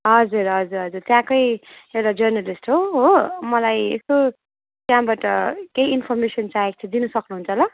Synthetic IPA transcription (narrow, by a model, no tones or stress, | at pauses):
ɦʌd͡zurɦʌd͡zuɾɦʌd͡zurt̪jãkʌjewʈad͡zʌrnalisʈɦoɦomʌlajḛsko | t̪jãbaʈʌkejinpʰʌrmesʌnt͡saek̚t̪ʰĩd̪inʌsʌknuɦunt͡sʰʌlʌ